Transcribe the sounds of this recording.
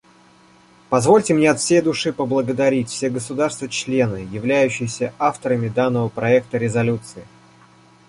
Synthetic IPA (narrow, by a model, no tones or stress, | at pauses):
pɐzvo̞lʲtʲɪmnʲeɐt̪fsʲejd̪ʊʂɨpəblˠəɡəd̪ɐɾʲitʲfsʲeɡəsʊd̪arst̪vət͡ɕlʲe̞nɨjɪvlʲæjʉɕːɪjɪsʲəʔaft̪əɾəmʲɪd̪anːəvəpɾɐɛk̚t̪əɾʲɪzɐlʲut̪sɨɪ